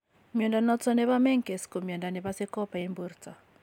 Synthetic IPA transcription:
mjɔ˨nda˨nɔ˦t͡sɔ˦nɛ˦ba˦mɛ˦ŋke˨sko˨mjɔ˨nda˨nɛ˨ba˦se˦kɔ˦pa˨i˦mbu˦rt͡sa˨

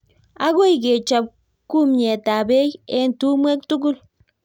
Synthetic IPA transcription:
a˦ɡu˦jɡe˨t͡ʃa˨b̚ | ku˦mɲe˨t̪a˨be˦je˦nt̪u˦mwe˦kt̪u˦ɡu˦l

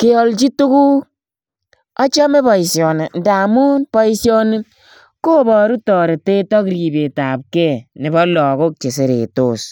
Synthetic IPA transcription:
ke˦ɔ˨lt͡ʃi˦tu˦ku˦ | a˦t͡ʃa˦me˦bɔ˨i˨sjɔ˨ne˨nda˨mu˦npɔ˦i˦sjɔ˦ne˦ | ko˦bɔ˨ɾu˦tɔː˨ɾe˨te˦tɔ˦kɾi˨be˨ta˨p̚kɛ˦nɪ˨bɔ˦lɔ˨ko˦k̚t͡ʃe˨s̬e˨ɾḛ˨to˦˨s

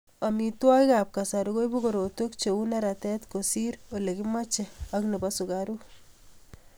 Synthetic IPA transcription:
amitwa˦jkap̚ka˨sa˨ɾko˦jbu˦ko˨ɾo˨to˦kt͡ʃeu˦nɛ˦ɾatɛ˦tkosi˦ɾo˨le˨kɪma˦t͡ʃeɐ˦kne˨basu˨kaɾu

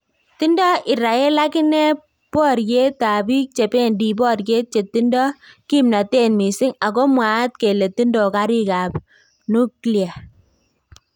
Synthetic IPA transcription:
ti˦ndɔ˦ʔi˨ɾa˨ɛ˦la˦kɪ˦nɛ˦ | pɔ˦ɾje˦ta˨bi˦k̚t͡ʃe˨pe˦ndi˨bɔ˦rɡe˦t̚t͡ʃe˨ti˦ndɔ˦ki˦mna˨te˦nmi˨sɪ˦ŋa˨kɔ˦mwa˨˦t̚ke˨le˨ti˦ndɔ˨ka˦ɾi˦ka˨p | nu˦kli˨a˨

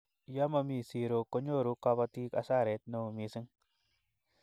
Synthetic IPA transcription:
ja˦ma˧mi˨si˨ɾo˨ko˦ɲo˦˨ɾu˨˦ka˧ba˧ti˦ka̰˨sa˦˨ɾe˨˦t̪̚no˨mi˨si˦ŋ

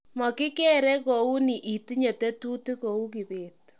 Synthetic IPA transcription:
mɔ˨ki˦kɛ˦ɾɛ˦ko˨u˦ni˨ʔi˨ti˦ɲe˨te˦tu˦ti˦ko˨u˦k̬i˨beː˨t

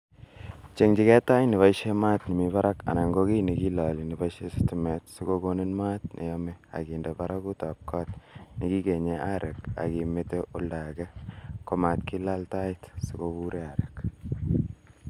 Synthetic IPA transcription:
t͡ʃe˨ŋd͡ʒi˨kɛ˦ta˦jni˨βa˦iʃe˦maː˦tni˨mipa˦ɾa˦ka̰˨na˨ŋɡo˦ki˦ni˨ki˦lali˨ni˨baiʃe˦sɪ̥timɛ˨tsi˦kokone˦nma˦tnʔḛ˨jɔme˦a̰ki˨nde˨paɾʔaku˦ta˨p̚kɔ˦tniki˦ke˨ɲeʔa˦ɾʔe˨ka̰˨ki˨meteʔo˦lda˨kɛkoma˨tki˦lalta˦ɪtsi˨kobuɾe˦aɾek

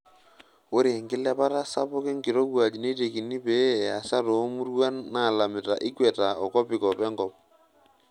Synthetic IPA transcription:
o˦ɾe˨ŋɡɪ˦lɛ˦pa˦ta˦sa˦pʊ˦kɪ˦ŋɡɪ˨ɾo˦wa˨d͡ʒi˨ne˦t̬e˨ki˨ni˦pe˨˦˨a˨sa˦to˨˦mu˦rwa˦nna˦˨la˨mɪ˨ta̰˨ʔɪ˦kwɛ˨ta˨ɔ˨kɔ˦pɪ˨kɔ˨pɛ˦ŋɡɔ˦p̚

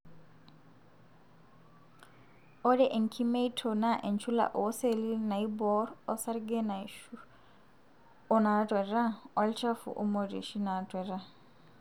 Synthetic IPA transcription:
ɔ˦ɾɛ˦ʔe˨ŋ̩˨kʰi˦me˦i˦tʰɔ˨na˦ʔɛ˨nt͡ʃʰu˦la̰˨ʔo˨˦se˦˨li˦na˨i˦bɔ˦ɾɔ˦sa˦ɾɡɛ˦na˨i˨ʃu˦ | ɔ˦na˨˦tʼwɛ˨ɾa˦ɔ˦lt͡ʃa˦fṵ˨ʔo˦mo˨ɾḭ˨ʃi˦na˨tʼwɛ˨ɾa˦

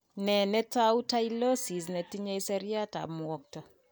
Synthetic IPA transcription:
nɛ˨nɛ˦tau˦ta˦i˦lo˦si˨s̬nɛ˨ti˦ɲe˦isɛɾi˦a˦ta̰˨mwɔ˨k̚ta˨

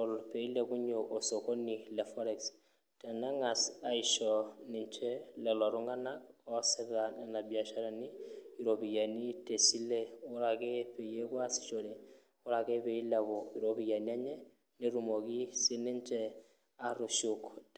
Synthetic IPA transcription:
ɔlpe˨i˦leku˦ɲo˨ʔo˨so˨ko˦nilɛ˨fɔ˦ɾɛks | tɛ˨na˦ŋa˨sa˨iʃɔni˨nt͡ʃɛlɛ˨lɔ˨ɾu˦ŋɡa˦nakɔ˦sɛ˦tanana˨bia˨ʃa˦ɾani˦iɾopi˨ja˨ni˦te˨si˦lɛ˦ʊ˦ɾake˦pe˨je˦kwa˦si̥˨t͡ʃo˨ɾe˨ | ʊ˦ɾa˨ke˦pe˨i˦laβɔiɾopi˨ja˨nia˦ɲɛ˦ | ne˦ɾumo˨ki˦si˦ni˦ɲt͡ʃɛ | aɾuʃuk

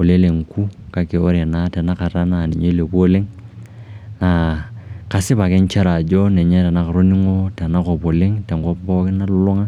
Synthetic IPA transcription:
o˨le˦le˨ŋ˨ku˦ka˨ke˨o˦ɾe˨na˦tɛ˨na˦ka˨ɾa˦na˦˨nɛ˨ɲo˦le˨bo˦lɪ˦ŋ | na˨ka˨sɪ˦ba˨kɛ˦ɲ˦t͡ʃa˦ɾa˨d͡ʒo˦nɛ˨ɲɛ˦tɛ˨na˦ka˨ɾo˦ni˦ŋo˦tɛ˨na˦kɔ˨po˨lɪ˦ŋtɛ˨ŋ˨kɔ˦pbɔ˦kɪ˦na˦lʊ˨lʊ˦ŋa˦

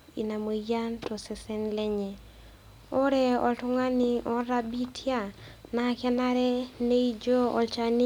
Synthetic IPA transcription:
i˨na˨mo˨ja˦nto˨sɛ˨sɛ˦nlɛ˦ɲɛ˨ | o˦ɾɛ˦ɔ̰˨ltʊ˦ŋa˦ni˨ʔɔ˦ɾa˦bi˦tʰja˦˨na˨kɛ˦na˦ɾɛ˦ne˦i˦d͡ʒo˦ɔ̰˨lt͡ʃani˦

